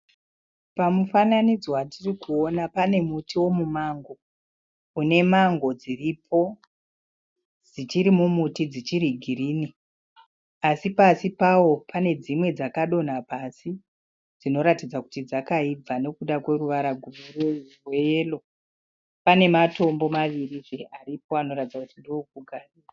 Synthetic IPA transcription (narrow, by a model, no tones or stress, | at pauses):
pamufananid͡zowatirikuo̞napane̞mutʰiwo̞mumaŋɡo̞ | une̞maŋɡo̞d͡ziripʰo̞ | d͡zit͡ʃiɾimumutid͡zit͡ʃiɾiɡʱiriːni | asipasipawo̞pʰane̞d͡zimwe̞d͡zakaɗo̞n̤apasi | d͡zino̞ɾatid͡zaku̥tid͡zakaib͡vane̞kuɗakwe̞ɾuʋaɾaɡʱurureurwelo | pane̞mato̞mbo̞maʋiriʐeʔarip̚o̞ano̞ɾatid͡zakutindouk̚uɡʱarira